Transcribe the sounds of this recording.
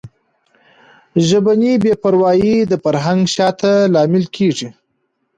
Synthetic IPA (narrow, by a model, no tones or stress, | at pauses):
ʒəbanibepaɾwɑjid̪əfaɾɦaŋɡʃɑt̪alɑmɪlkʰeʐi